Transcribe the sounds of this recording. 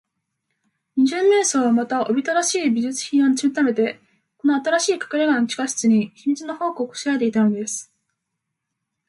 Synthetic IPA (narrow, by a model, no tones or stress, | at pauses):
ɲ̟iʑɨmːe̞ːso̞ːβamat̪aʔo̞bʲit̪aɾaɕiːbʲiʑɨt͡sɨ̥çĩɰ̃oɲʲit͡ɕimet̪ame̞t̪e̞ | ko̞no̞at̪aɾaɕiːkḁkaɾeɡãnot͡ɕi̥kaɕɨ̥t͡sɨɲ̟içimʲit͡sɨno̞ho̞ːkoko̥ɕiaet̪eit̪anod̪e̞sɨ̥